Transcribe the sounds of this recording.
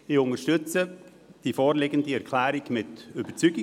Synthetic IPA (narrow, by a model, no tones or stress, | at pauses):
ɪʊŋəʃtʏt͡sə | d̥ifɔːɾlɪɡəndiɛɾkʰlæːɾiɡmɪtyb̥ət͡syɡɪ